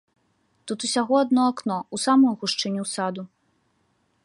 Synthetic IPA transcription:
t̪ut̪usʲaɣɔad̪nɔaknɔusamujuɣuʂt͡ʂɨnʲusad̪u

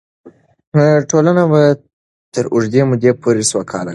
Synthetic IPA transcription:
ʈolanaba | t̪əɾʊʐd̪emʊd̪epʰoɾeswakʰɑ̰la

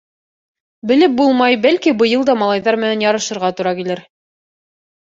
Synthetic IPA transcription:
bɘ̆lɘp̚bulˠmɑjbælkibɤ̆jɤlˠd̪ɑmɑlˠɑjðɑɾmɘ̆nænjɑɾɤ̆ʃɤ̆ɾʁɑt̪ŭɾɑkilɘɾ

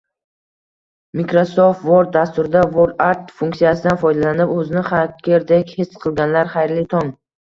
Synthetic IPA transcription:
mikɾosofft̪voɾd̪̚d̪ast̪ʊɾɪd̪avoɾd̪aɾt̪fuŋkt̪ijasɪd̪anfɒjd̪alanɪpɵzɪnɪχakʲeɾd̪ekʲhesqʰɨlˠɡʲanlaɾχajɾlit̪ʰɒŋ

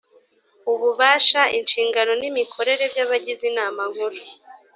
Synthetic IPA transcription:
uβuβaːʃaʔinʃiːŋɡano̞nimikʰo̞ɾe̞ɾe̞vjaβaɟizinaːmaŋ̥huɾu

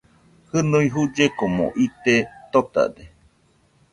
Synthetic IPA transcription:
hɨnuiɦud͡ʒekomo̰ʔit̪et̪ot̪a̰de

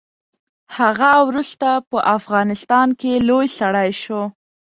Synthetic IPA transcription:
haɣawɾust̪apəʔafɣɑnɪst̪ɑnkelojsaɽajʃo

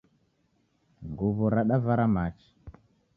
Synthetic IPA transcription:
ɡuβɔɾaɗavaɾamat͡ʃi̥

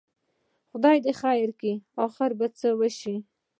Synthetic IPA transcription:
xʊd̪ɑjd̪exajɪɾkiɑxɪɾbat͡səwəʃi

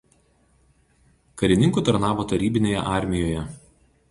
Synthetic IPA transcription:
kɐɾʲɪnʲɪŋkuːˑt̪ɐɾnɑːʋoːt̪ɐɾʲiːbʲɪnʲoːjɛ̰ʔɑˑɾʲmʲɪjoːjɛ

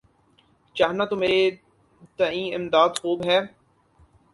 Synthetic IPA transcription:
t͡ʃaːɦnat̪ʊme | t̪ɐĩːɪmd̪aːd̪xuːbɦɛː

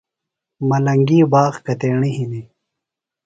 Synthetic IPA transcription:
mɐlɐŋɡiːbaːɣkɐt̪eːɳihini

